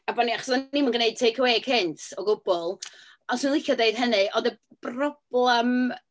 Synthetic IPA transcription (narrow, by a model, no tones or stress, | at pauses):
abɔniaχɔ̥sanːimanɡəneɨd̚tʰejkʰəweːɡ̥hɪntʰɔɡʊbɔlˠ | ɔsənlˠɪkjɔdeɨd̥ɦənɨʔɔdəb̥rɔb̥lˠɛm